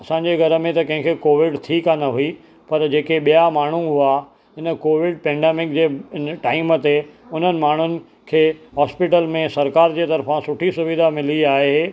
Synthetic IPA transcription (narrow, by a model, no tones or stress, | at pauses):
ɐsãɲd͡ʑeɡʱɐɾəmẽt̪ɐkɐ̃ɦɪ̃ŋkʰekoːʋɪɖt̪ʰikanɐɦui | pɐɾd͡ʑeːkeɓijamaːɳ̤ũɦʊa | ɦɪnəkoːʋɪɖ̚pɛ̃ːɳɖeːmɪkd͡ʑeːnʈaːimət̪eʊn̤ənɪ̆maːɳ̤ʊnɪ̆ | kʰeːɦɔːspɪʈəlmẽsɐɾkaːɾd͡ʑeːt̪ɐɾfãsʊʈʰisʊʋid̪ʱamɪliaːɦee